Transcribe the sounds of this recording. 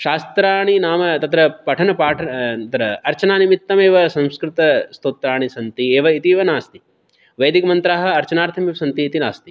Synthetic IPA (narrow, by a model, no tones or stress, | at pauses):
ʃaːst̪ɾaːɳ̃inaːmɐt̪ɐt̪ɾɐpɐʈʰɐnɐpaːʈʰɐɐt̪ɾɐɐɾt͡ʃɐnaːnimit̪ːɐmeːʋɐsɐ̃wskɾɪt̪ɐst̪oːt̪ɾaːɳ̃isɐnt̪ieːʋɐit̪iʋɐnaːst̪i̥ | ʋɐjd̪ikɐmɐnt̪ɾaːɦɐ̆ɐɾt͡ʃɐnaːɾt̪ʰɐmiʋɐsɐnt̪iːt̪inaːst̪i